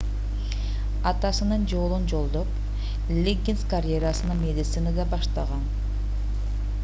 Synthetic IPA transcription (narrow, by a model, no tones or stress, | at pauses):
ɑt̪ɑsɯnɯnd͡ʒo̞lˠund͡ʒo̞lˠd̪op | lʲeɡʲinskarʲjeɾasɯnɑnmʲe̞d̪ʲit̪sɨnad̪ɑbɑʃt̪ɑʁɑn